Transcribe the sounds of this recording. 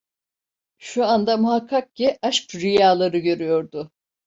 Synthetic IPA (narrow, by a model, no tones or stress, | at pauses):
ʃuand̪amuɦakʰːak̚ciaʃkɾijaːlˠaɾɯɟø̞ɾyjo̞ɾd̪ʊ